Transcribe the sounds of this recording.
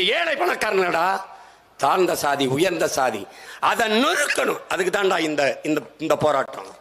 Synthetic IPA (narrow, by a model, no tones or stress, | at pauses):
eːlɐɪpːɐɳɐkːaːɾɐnɐɐɽaː | t̪aːɾnd̪ɐsaːðiʊjɐɾnd̪ɐsaːðḭʔɐðɐnnʊɾɯkːɐɳɯmɐðɯk̬ːɯt̪ːãːɳɖaːɪnd̪ɐɪnd̪ɐɪnd̪ɐpoːɾaːʈːɐ̰̃